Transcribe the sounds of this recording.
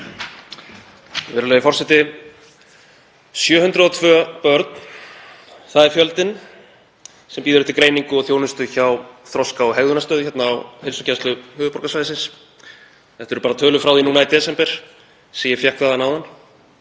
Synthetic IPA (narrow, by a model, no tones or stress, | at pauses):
vɛːɾʏlejɪfɔrsɛt̪ɪ | sjœːɦʏnt̪ɾʏðɔt̪ʰvœːpœɾt̪n̥ | θaðɛɾ̥fjœlt̪ɪn | sɛmpiːðɪɾʏht̪ɪlkɾeːjniŋkʏɔɣθjoːwnʏst̪ʏçawθɾɔskaɔɦɛɣðʏnast̪œːðʏçɛt̪naːwhejlsɔcʰɛst̪lʏhʏːvʏpɔɾkasvajɪsɪns | θɛht̪ːɛɾʏpaːɾat̪ʰœːlʏfɾaːwðinuːnait̪ɛːsɛmpɛɾ̥ | siːjɪfjahkvaðanawðanː